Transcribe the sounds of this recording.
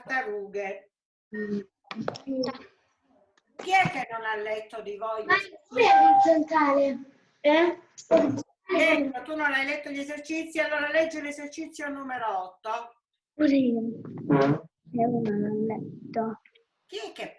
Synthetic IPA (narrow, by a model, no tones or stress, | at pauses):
t̪aruːɡe | kiɛkːenːɔnalːɛt̪ːod̪ivojaɛisent̪ɾaːle | ɛ | aɛt̪ːot̪unːɔnajlɛt̪ːoʎːezert͡ʃit̪sːialːoːɾalɛd͡ʒːelezert͡ʃit̪sːjonuːmeɾoɔt̪ːo | uzi | ɛunɔnalːɛt̪ːo | kiɛkːe